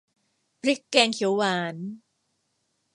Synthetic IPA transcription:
pʰɾi˦˥kːɛː˧ŋkʰi˨˩˦waː˨˩˦n

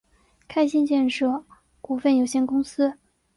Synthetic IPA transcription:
kʰa˥ɪɕi˥˧nt͡ɕjɛ˥˧nʂɤ˥˩ | ku˥˩fə˥˩njo˨˩ʊɕjɛ˥˩nkʊ˥ŋsɹ̩˥

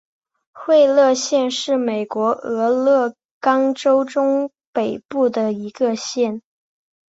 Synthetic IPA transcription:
xwe˥˧ɪlɤ˥˧ɕjɛ˥˧nʂɻ̩˥˩me˨˩ɪkwɔ˧˥ɤ˧˥lɤ˥˩ | kɑ˥ŋʈ͡ʂo˥ʊʈ͡ʂʊ˥ŋ | pe˨˩ɪpu˥˩d̪ə˩i˧˥ɡə˧ɕjɛ˥˩n

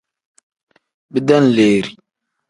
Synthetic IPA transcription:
bi˦da˦n̩˨leː˨ɾi˨

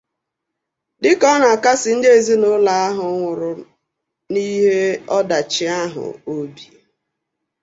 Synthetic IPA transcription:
dɪ˦kɔ˦na˨ka˦sɪ˨n̩˦de˨zi˦nʊ˦la˨˦a˦ɦʊ˨ŋʷʊ˨ɾʊ˨ | ni˦ɦe˦ɔ˦da˨t͡ʃɪ˨a˦ɦʊ̰˨o˦bi˨

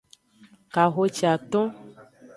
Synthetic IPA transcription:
ka˨ɣo˦t͡ʃi˨a˨t̪ɔ̃˦

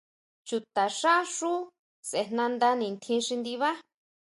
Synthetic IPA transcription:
t͡ʃu˧t̪a˨ʂa˦ʂu˦ | se˨˧˨n̥nã˧nd̪a˧nĩ˨nt̪ʰĩ˧ʂi˧nd̪i˧βa˦

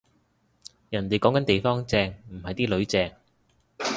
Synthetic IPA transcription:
jɐ˨˩nt̪e˨jkɔː˨˥ŋkɐ˨˥nt̪e˨jfɔː˥ŋt͡sɛː˧ŋm̩˨˩hɐ˨jt̪iː˥lɵ˨˥ɥt͡sɛː˧ŋ

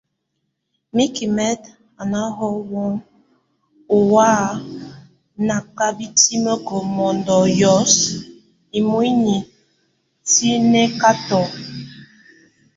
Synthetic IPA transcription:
mi˦ki˨mɛ˦t | a˨na˦ɦɔ˦wɔ˦ŋ | u˨wa˦ | na˨ka˦bi˦ti˦mə˦kɔ˨mɔ˨ndɔ˨jɔ˨˦s | i˨mu˦i˦ni˨ | ti˦ne˦ka˦tɔ˨

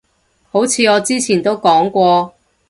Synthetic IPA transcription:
ho˨˥wt͡sʰiː˨˧ɔː˨˧t͡siː˥t͡sʰiː˨˩nt̪o˥wkɔː˨˥ŋkʷɔː˧

